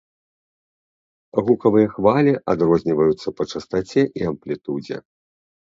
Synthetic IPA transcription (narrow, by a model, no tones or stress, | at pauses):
ɣukɐvɨjɐxvalʲiʔad̪ɾɔzʲnʲivɐjut̪sːɐpɐt͡ʂɐst̪at͡sʲɛʔiɐmplʲit̪ud͡zʲɛ̰